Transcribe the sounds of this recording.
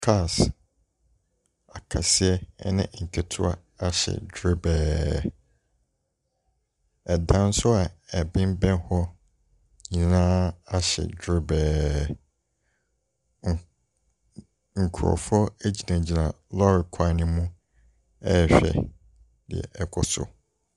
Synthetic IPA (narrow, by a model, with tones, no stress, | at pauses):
kʰa˦˨s | a˨kʰa˨sɪ˦ɛ˦nɪ̰̃˦ŋ̩˨kʰɛ˨tʰʊ˦a̰˦ | a˦ɕɛ̰˨dɾɪ˦bɛː˨˦ | ɛ˨dã˦n̩˦sʊ˦a˨ɛ˨bɪ̃˦m˦bɛ̃˦n˦hɔ˦ | ɲĩ˨nãː˦a˦ɕɛ̰˨dɾɪ˦bɛː˨ | ŋ̩˨kʰu˨ɔ̰˨fɔ˦æ˦d͡ʑi˨nã˨d͡ʑi˨nã˨ | lɔ˦ɾɪ˨kʰa˦nɪ̃˦mũ˦ | ɛ˦˨ɕᶣɛ̰˨ | dɪ̰˨ɛ̰˨ʔɛ˦kʰɔ˨sʊ̰˨